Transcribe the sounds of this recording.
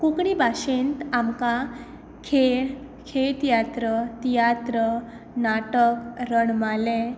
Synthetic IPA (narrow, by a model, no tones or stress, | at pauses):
kukɳibʱaɕent̪amka | kʰeɭ | kʰet̪jat̪ɾət̪jat̪ɾə | naʈəkɾəɳmalɛ